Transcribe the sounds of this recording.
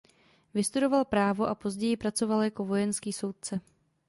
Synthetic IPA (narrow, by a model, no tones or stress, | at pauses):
vɪst̪udo̞valpɾaːvo̞ʔapo̞zɟɛjɪpɾat͡so̞valjako̞vo̞jɛnskiːso̞wt̪̚t͡sɛ